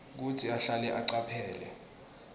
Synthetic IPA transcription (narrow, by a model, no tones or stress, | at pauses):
k̬utʰiaɬalɛʔaǀapʰɛːlɛ̰